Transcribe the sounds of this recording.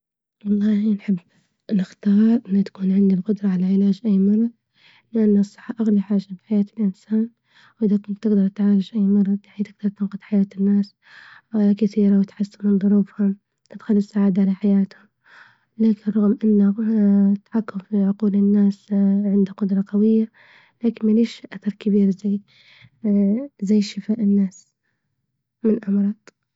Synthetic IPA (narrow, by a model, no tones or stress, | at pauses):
wɑlˤːɑːhinħɪbː | nɪxt̪ɑːɾˤʔɪnːat̪ḁkuːnʕɪnd̪ilqʊd̪ɾˤɑʕalaʕɪlaːd͡ʒʔajːmɑɾˤːɑðˤ | lɪʔanːsˤːɨ̥ħːɑʔaɣlaħaːʒabɪħajaːt̪ɪlʔɪnsaːn | wʔɪðakʊnt̪t̪ːɪɡd̪ɑɾˤt̪ʕaːlɪd͡ʒʔajːmɑɾˤːɑðˤaħiːt̪ɪɡd̪ɑɾˤt̪ɪnqʊd̪ħajaːt̪ɪnːaːs | kaθiːɾawɪt̪ħasːammɪnðˤʊɾuːfhʊm | t̪ɪt̪xʊlːɪsaʕaːd̪aʕalaħajaːt̪hʊm | laːkɪnrˤɑɣmʔɪnːat̪ḁħakːʊmfiʕʊquːlɪnːaːsʕɪnd̪aqʊd̪ɾˤɑqɑwɪjːa | laːkɪnmaliːʃʔaθɑɾˤkɪbiːɾzaj | zajːʃɪfaːʔɪnːaːs | mɪnʔɑmɾˤɑːd̪ˤ